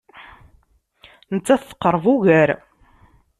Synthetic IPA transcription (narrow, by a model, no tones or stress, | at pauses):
nət͡sːæθθə̥qːəɾˤvuɣæɾ